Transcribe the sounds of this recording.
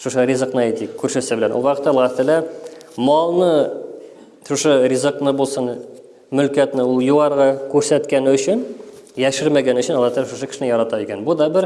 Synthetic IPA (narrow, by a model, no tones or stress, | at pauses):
ʃoʃəɾʲizəqnɑet̪ikʲʰɵɾʃesɪbɪlænwo̰lˠwɑqət̪ːɑlˠʁɑt̪ɪlæmɑlˠnə | ʃoʃərʲizəqnəbolˠsən | mɵlkʲæt̪nɪjuʁɑɾʁɑkʲʰɵɾsæt̪kʲenɵʃɪnjæʃɪɾmæɡʲenɵʃɪnɑlˠɑt̪ʰɪlæʃoʃəkʰʲɪ̥ʃnjɑɾɑt̪ɑjekʲenbud̪ɑbɪɾ